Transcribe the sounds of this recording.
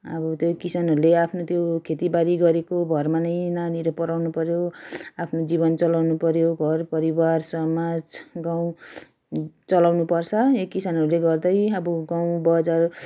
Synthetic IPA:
ʌbʌt̪jokisanɦʌɾuleapʰnot̪jokʰet̪ibaɾiɡʌɾekoɡʱʌrmanʌjnaniɾʌpʌɾawnupʌɾjoapʰnod͡zibʌnt͡sʌlawnupʌɾjoɡʱʌrpʌɾibarsʌmad͡zɡaw̃ | t͡sʌlawnupʌrt͡sʰʌekːisanɦʌɾuleɡʌrd̪ʌjʌbʌɡaw̃bʌd͡zar

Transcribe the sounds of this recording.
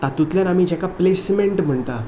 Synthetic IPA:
t̪at̪ut̪ljanamiːd͡ʑɛkaplesmeɳʈm̤əɳt̪a

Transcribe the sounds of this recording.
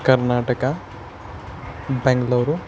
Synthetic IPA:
kɐɾnaːʈɐkɐ | beŋɡɐlɐʋɾu

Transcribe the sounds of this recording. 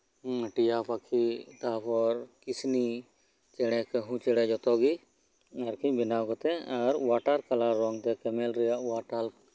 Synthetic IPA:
ʈijapʰakʰit̪apʰɔɾkisni | t͡ʃɛɽ̃ɛ̃kɛɦũt͡ʃɛɽɛd͡ʒɔt̪ɔɡi | ɐɾkʰibɪnakɔt̪ɛaɾwaʈaɾkalaɾɔŋɡt̪ɛkɛmɛlɾɛjaʔwaʈal

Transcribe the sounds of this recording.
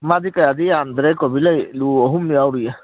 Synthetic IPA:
mad̪ikajad̪iand̪ɾɛkɔbilajluɔɦumniawɾija

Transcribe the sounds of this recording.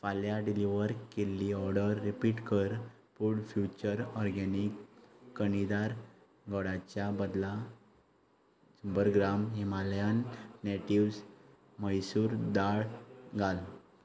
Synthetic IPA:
faljaɖiliʋəɾkelːiɔɾɖəɾːipiʈkəɾ | puɽfjut͡ɕəɾɔɾɡɛnikːəɳid̪aɾ | ɡɔɽat͡ɕjabəd̪la | səmbəɾɡɾamɦimaljanːeʈiʋs | məjsuːɾd̪aɭɡʱal

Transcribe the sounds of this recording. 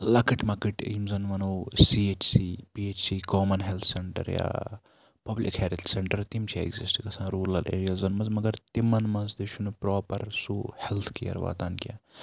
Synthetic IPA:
lɐkiʈmɐkiʈḭmzɐnʋɐnoːsiːet͡ʃsiːpiet͡ʃsiːkoːmɐnɦelt̪ʰseɳʈɐ̰ɾja̰ː | pɐblḭkheːɾt̪ʰseɳʈɐɾt̪imt͡ʃʰiḛɡzisʈɡɐsãːɾuːlɐlʔḛːɾijɐlzɐnmɐnzmɐɡɐɾt̪imɐnmɐnzd̪iʃʰunupɾoːpɐɾsuːhelt̪ʰkijɐ̰ɾʋa̰ːt̪aːnkʲja̰ː

